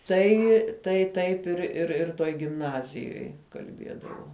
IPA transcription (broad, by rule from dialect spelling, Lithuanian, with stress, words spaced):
ˈtɐɪ tɐɪ ˈtɐɪp ɪr ɪr ɪr ˈtoːj ɡʲɪmˈnɑːzʲɪjoːj kɐlʲˈbʲiɛdɐʋoː